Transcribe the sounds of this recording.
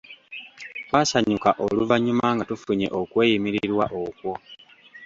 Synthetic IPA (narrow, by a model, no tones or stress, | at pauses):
βaːsaɲukaʔoluvaɲumaŋɡatufuɲe̞̰ʔo̞kwe̞ːjimiɾiɾwaʔo̞kwo̞